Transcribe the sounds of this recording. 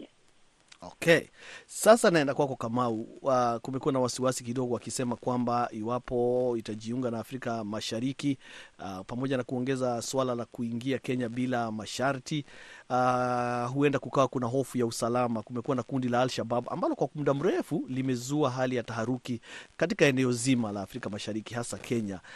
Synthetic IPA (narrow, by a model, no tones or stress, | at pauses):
ɔ̰kɛsasanaɛndakwakɔkamaukumɛkuwanawasiwasikiɗɔɡɔwakisɛmakwambaiwapɔitaʄiuŋɡanaːfɾikamaʃaɾiki | pamɔʄanakuɔŋɡɛzaswalalakuiŋɡiakɛɲabilamaʃaɾti | ɦuɛndakukawakunaɦɔfujausalamakumɛkuwanakundilaːlʃababa̰mbalɔkwamuɗam̩ɾɛfulimɛzuaɦalijataɦaɾukikatikaɛnɛɔzimalaːfɾikamaʃaɾikihasakʰɛɲa